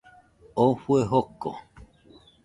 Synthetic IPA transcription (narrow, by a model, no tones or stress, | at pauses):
ofueɦoko̰